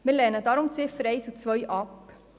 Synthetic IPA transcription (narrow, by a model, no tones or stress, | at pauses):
mɪːlɛːnədɑːɾʊmt͡sɪfəɾɛɪsut͡sʋœjʔɑp